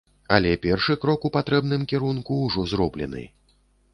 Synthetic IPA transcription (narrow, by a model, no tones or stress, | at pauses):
ɐlʲɛpʲɛrʂɨkɾɔkupat̪ɾɛbnɨmkʲɛɾunkuːʐɔzrɔblʲɛ̰nɨ̰